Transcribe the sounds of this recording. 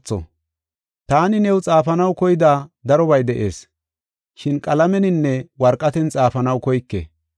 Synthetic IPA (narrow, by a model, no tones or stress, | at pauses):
t͡sːɔ̰ | t̪aːnɪnɛwt͡sʼaːfɐnɐwkɔjɪd̪aːd̪ɐɾɔbɐjd̪ɛʔe̞ːs | ʃɪnkʼɐlɐmɛnɪnːɛwɐɾkʼːɐt̪ɛnt͡sʼaːfɐnɐwkɔjkːɛ̰